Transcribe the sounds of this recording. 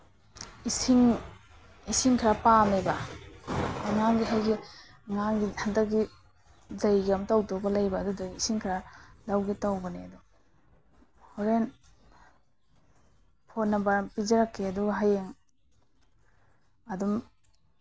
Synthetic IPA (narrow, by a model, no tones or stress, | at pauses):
isiŋ | isiŋkʰɾapanajbɐ | ŋaŋɡiɦajɡi | ŋaŋɡihandɐk̚ɡi | zajɡɐmtawtɔbɐlajbaːdudɐɡiisiŋkʰɾalawɡitawɡɐneɐdu | hoɾen | pʰotnɐbɐpizɐɾakːiɐduɡaɦajeŋ | ɐdum